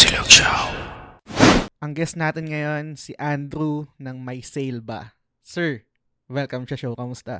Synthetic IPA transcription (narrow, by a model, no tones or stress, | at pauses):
sɪlokʃaw | ʔɐŋɡɛst̪naːt̪ɪnŋɐjo̞nsɪʔand̪ɾunɐŋmɐjsejlbɐ̰ | sɛɹ | wɛlkɐmʃɐʃowkɐmʊst̪a̰